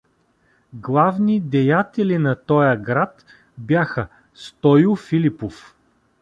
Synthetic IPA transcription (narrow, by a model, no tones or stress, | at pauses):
ɡlˠavnid̪ɛjat̪ɛlʲinɐt̪ɔjəɡɾat̪ | bʲjaxə | st̪ɔjʊfilipof